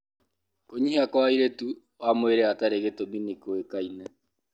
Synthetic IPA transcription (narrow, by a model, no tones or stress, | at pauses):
koɲihakwaiɾetu | amoeɾɛataɾeɣetominikoekainɛ